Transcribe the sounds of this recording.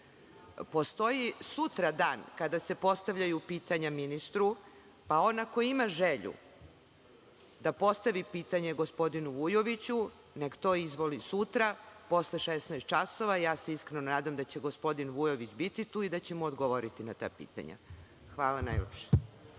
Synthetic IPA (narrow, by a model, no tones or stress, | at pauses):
po̞st̪o̞jisut̪ɾad̪aːnkad̪ase̞po̞st̪aʋʎajupiːt̪aɲaminist̪ɾu | pao̞nakoimaʒeʎṵ | d̪apo̞st̪aʋipiːt̪aɲe̞ɡo̞spo̞d̪inuʋujoʋit͡ɕu | ne̞kt̪o̞ːizʋolisut̪ɾapo̞sleʃesnajst̪̚t͡ʃaso̞ʋajaːseiskɾenonaːd̪amd̪at͡ɕe̞ɡo̞spo̞d̪inʋujoʋit͡ɕbit̪it̪uːid̪at͡ɕe̞muod̪ɡoʋoɾit̪inat̪a̰ːpḭːt̪a̰ɲa̰ | xʋaːlana̰jlepʃe̥